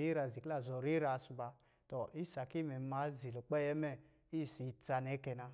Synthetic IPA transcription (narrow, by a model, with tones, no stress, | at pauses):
i˦ɾa˧˨zi˨kla˦˨zɔ˨ɾi˦ɾa˨˦su˧ba˧ | tɔ˨i˦sa˨ki˦mɛ˨˦ma˨˦zi˨lu˨k͡pɛ˦˨jɛ˦mɛ˦˨ | i˦˨si˨t͡sa˧nɛ˨˦kɛ˧na˧